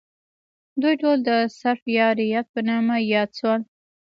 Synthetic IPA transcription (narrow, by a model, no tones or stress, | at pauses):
d̪ujʈold̪əsaɾfjɑɾijat̪̚pənɑmajɑd̪swal